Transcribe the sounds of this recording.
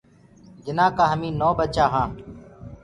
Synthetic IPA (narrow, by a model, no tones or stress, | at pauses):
d͡ʒɪnãːkaːɦəmĩːnoːbət͡ʃaːɦãː